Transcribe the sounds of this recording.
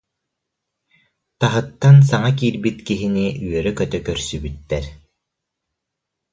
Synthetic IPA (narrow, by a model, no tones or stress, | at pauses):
t̪aɦɯt̪ːans̬aŋak̬iːɾbit̪kiɦiniyœɾœkœt̪œkœɾsybyt̪ːɛɾ